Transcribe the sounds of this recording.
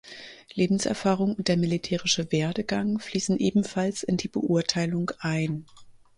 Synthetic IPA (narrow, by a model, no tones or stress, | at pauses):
leːbm̩sʔɛ̰ɐfaːʁʊŋʊnt̚d̥eːɐmilitʰeːʁɪʃəveːɐdəɡaŋfliːsn̩ʔeːbm̩falsɪndiːbə̰ʔuɐtʰaɪlʊŋʔaɪn